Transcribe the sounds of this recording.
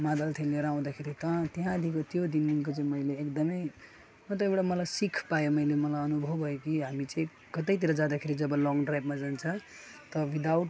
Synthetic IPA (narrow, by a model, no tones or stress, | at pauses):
mad̪alt̪ʰelːeɾaw̃d̪akʰeɾit̪ʌt̪iɦãd̪ʱikot̪jod̪iniŋkot͡saĩmʌjleːkd̪ʌmʌj | mʌt̪oewɽajmʌlajsikʰpajomʌjlemʌlajʌnubʱʌbʱʌjokiɦamit͡sʌĩ | kʌt̪ʌjt̪̬iɾʌd͡zãd̪akʰeɾid͡zʌbʌlɔŋɖrajbmad͡zant͡sʰʌ | t̪ʌwid̪awʈ̚